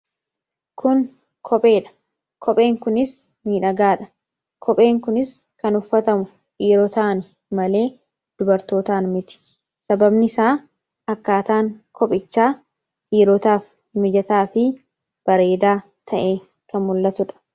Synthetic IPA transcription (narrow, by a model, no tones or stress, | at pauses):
kʰʊŋ | kʰɔpʼe̞ːᶑɐ̥ | kʰɔpʼe̞ːŋkʊnɪs | miːᶑɐɡaːᶑɐ | kʰɔpʼe̞ːŋkʊnɪskɐnʊfːɐt̪ɐmʊ | ʔiːɾɔt̪aːnɪ | mɐle̞ː | d̪̥ʊbɐɾt̪o̞ːt̪aːnmɪt̪ɪ̥ | sɐbɐbnɪsaː | ɐkːaːt̪aːŋkʰɔpʼɪt͡ʃːaː | ʔiːɾɔt̪aːf | mɪd͡ʒɐt̪aːfɪ | b̥ɐɾe̞ːd̪aː | t̪ʰɐʔeː | kɐnmʊlːɐt̪ʊᶑɐ̥